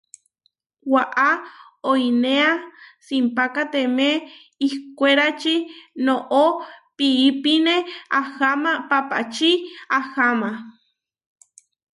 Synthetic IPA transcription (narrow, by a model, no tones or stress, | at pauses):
waʔa | ojneasimpakat̪emeː | hkʷeɾat͡ʃinoʔopiipineahamapapa̰t͡ʃiahama